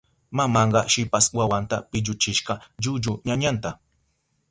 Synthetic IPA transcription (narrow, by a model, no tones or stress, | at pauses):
mamɑɴɢɑʃɪpaswawant̪a̰pɪʎʊt͡ʃɪʃɢɑd͡ʒʊd͡ʒʊɲaɲant̪a